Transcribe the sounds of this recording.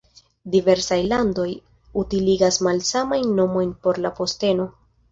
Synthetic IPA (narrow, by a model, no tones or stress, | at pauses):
dive̞ɾsajlando̞j | utiliɡasmalsamajnːo̞mo̞jnpo̞ɾlapo̞ste̞no̞